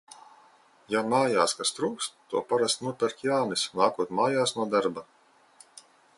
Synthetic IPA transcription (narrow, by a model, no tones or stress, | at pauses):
jamaːjaːskast̪ɾuːkst̪ːuɔpaɾast̪nuɔpʲɛɾkʲjaːnisnaːkuɔt̪maːjaːsnuɔd̪aɾba